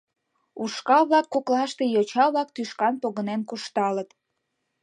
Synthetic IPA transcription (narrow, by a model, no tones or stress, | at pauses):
uʃkɑβlɑkːoklɑʃt̪ejot͡ɕɑβlɑk̚t̪yʃkɑnpoɣənenkuʃt̪ɑlət̪